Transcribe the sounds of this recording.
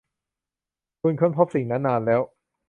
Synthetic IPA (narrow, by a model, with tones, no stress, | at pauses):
kʰu˧nkʰɯ˥˩˨npʰo˦˥p̚si˨˩ŋnaː˦˥nːaː˧nlɛː˦˥w